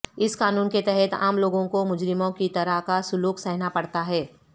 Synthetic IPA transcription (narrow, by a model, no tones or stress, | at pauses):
ɪskaːnuːnket̪ɛɦɛt̪a̰ːmloːɡõkomʊd͡ʒɾɪmõkit̪ɐɾəɦkasʊluːksɛɦnapɐɽt̪aɦɛː